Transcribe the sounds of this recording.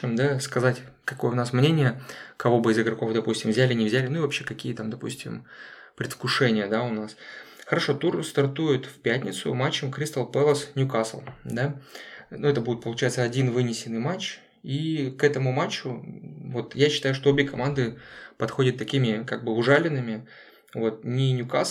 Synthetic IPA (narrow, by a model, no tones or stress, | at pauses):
md̪askɐzatʲ | kɐko̞jəʊnasmnʲenʲɪjəkɐvo̞bɨɪzɨɡɾɐko̞fd̪ɐpusʲtʲɪmvzʲælʲɪnʲɪvzʲælʲɪnʊivɐpɕːe̞kɐkʲijət̪amd̪ɐpṵsʲtʲɪ̰mpɾʲɪt̪fkʊʂɛnʲɪjəd̪aʊnas | xəɾɐʂo̞t̪urst̪ɐrt̪ujɪt̪fʲpʲætʲnʲɪ̰t̪sʊ̰mat͡ɕːəmkɾʲist̪alˠpɛlˠəsnʲʊkaslˠd̪anuɛt̪əbudʲɪt̪̚pəlˠʊt͡ɕæjɪt̪səɐdʲinvɨnʲɪsʲɪnːɨjmat͡ɕ | ikɛt̪əmʊmat͡ɕːʊvo̞t̪jaɕːɪ̥t̪ajʊʂt̪o̞obʲɪkɐmand̪ɨpɐt̪xo̞dʲɪt̪ːɐkʲimʲɪkaɡ̚bɨʊʐalʲɪnːɨmʲɪ | vo̞t̪̚nʲɪnʲʊkas